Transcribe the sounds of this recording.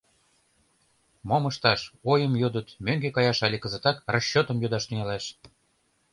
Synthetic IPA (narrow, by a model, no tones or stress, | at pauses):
moməʃt̪ɑʃojəmjod̪ət̪møŋɡekɑjɑʃɑlʲekə̆zə̆t̪ɑkrɑɕːot̪ə̆mjod̪ɑʃt̪yŋɑlɑʃ